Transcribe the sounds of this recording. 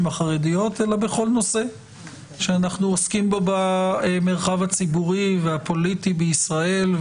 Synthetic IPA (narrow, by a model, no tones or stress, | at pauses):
maχaʁedijo̞t̪e̞labeχo̞lno̞se̞ | ʃeanaχnuoskimbo̞bameʁχavhat͡sibuʁiveapo̞litibeisʁae̞lv